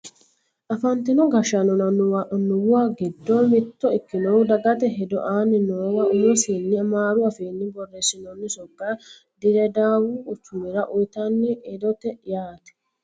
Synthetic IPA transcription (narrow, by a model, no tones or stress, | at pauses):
ʔɐfɐnt̪ɪnɔɡɐʃɐnɔnɐnnʊwaɡɪd̪ːoːmɪt̪ːɔɪkːɪnowd̪ɐɡɐt̪ɛɦɛd̪ɔʔaːnɪnoːwɐʊjɔsiːnːɪɐmaːɾʊɐfeːnːɪbɔrːeːsɪnɔnːɪsɔɡːaː | d̪ɪɾɛd̪aːwuːt͡ʃːuːmɪɾɐʔʊjt̪ɐnːɪɛd̪ɔt̪ɛjaːt̪ɛ̥